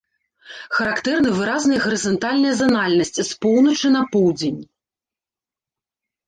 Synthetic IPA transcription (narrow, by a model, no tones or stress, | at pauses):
xɐɾakt̪ɛrnɨvɨɾaznɐjɐɣɐɾɨzɔnt̪alʲnɐjɐzɐnalʲnɐsʲt͡sʲspɔwnɐt͡ʂɨnɐpɔwd͡zʲenʲ